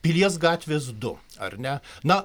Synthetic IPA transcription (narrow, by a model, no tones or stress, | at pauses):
pʲilʲiɛs̬ɡɑːt̪ʲʋʲeːs̬d̪ʊ | ɐ̰rnʲɛnɐ